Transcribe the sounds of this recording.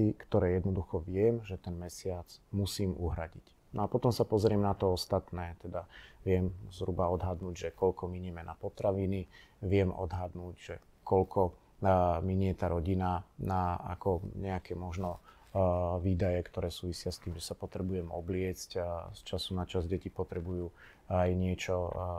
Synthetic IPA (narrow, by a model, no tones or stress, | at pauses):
ikt̪ɔɾɛːjɛd̪nɔd̪uxɔʋɪɛmʒɛt̪ɛnmɛsɪat͡smusiːmuɦɾaɟic | nʔɔapɔt̪ɔmsapɔzɾɪɛmnat̪ɔɔst̪at̪nɛːt̪ɛd̪aʋɪɛmzɦɾubaɔd̪ɦad̪nuːɟʒɛkɔlkɔmiɲɛmɛna̰pɔt̪ɾaʋini | ʋɪɛmɔ̰d̪ɦad̪nuːɟʒɛ | kɔlkʰɔ | miɲɪɛt̪aːɾɔɟinanaa̰kɔɲɛakɛmɔʒnɔ | ʋiːd̪ajɛkt̪ɔɾɛːsuːʋisɪast̪iːmʒɛsapɔt̪ɾɛbujɛmɔblɪɛt͡scst͡ʃasunat͡ʃazɟɛcipɔt̪ɾɛbujuː | ajɲɪɛt͡ʃɔ